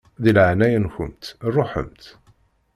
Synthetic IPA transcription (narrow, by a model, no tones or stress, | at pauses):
ðilʕnæjənçʊ̰mt̪rˤːoħə̰mt̪